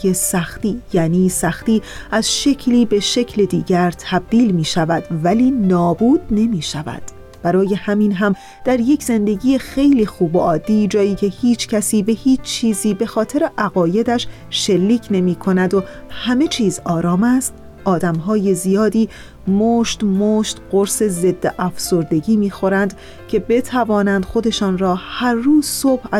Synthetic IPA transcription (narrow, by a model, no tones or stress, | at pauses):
esæxt̪iːjæːniːsæxt̪iːæz̥ʃe̞cʰliːbe̞ʃe̞cʰle̞d̪iːɟæɾt̪ʰæb̚d̪iːlmiːʃævæd̪̥væliːnɒːbuːd̪̚ne̞miːʃævæ̰d̪̥ | b̥æɾɒːje̞hæmiːnɦæm | d̪̥æɾje̞cʰz̥e̞nd̪e̞ɟiːjexe̞jliːxuːboʔɒːd̪ːiːd͡ʒɒːjiːcʰe̞hiːt͡ʃʰcʰæsiːbe̞hiːt͡ʃʰt͡ʃʰːiːziːbe̞xɒːt̪ʰe̞ɾe̞ʔæɣɒːje̞d̪æʃ | ʃelːiːcʰne̞miːkʰo̞næd̪o̞ | hæme̞t͡ʃʰiːzɒːɾɒːmæst̪ | ʔɒːd̪æmɦɒːje̞zijɒːd̪iː | moːʃt̪moːʃt̪ɢoɾse̞ze̞d̪ːeʔæfso̞ɾd̪e̞ɟiːmiːxo̞ɾænd̪ | cʰe̞be̞t̪ʰævɒːnænd̪̥xo̞d̪e̞ʃɒːnɾɒːhæɾːuːzsob̥æ